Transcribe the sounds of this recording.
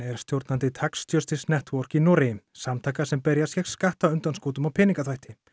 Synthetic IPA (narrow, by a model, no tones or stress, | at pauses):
ɛɾ̥st̪jowɾt̪nant̪ɪt̪ʰakst̪jœst̪ɪsnɛht̪vɔr̥kinɔːɾɪɪmsamt̪ʰaːkasɛmpɛɾjasjɛk̪skaht̪aʏnt̪anskoːt̪ʏmawpʰɛːniŋkat̪ʰajht̪ɪ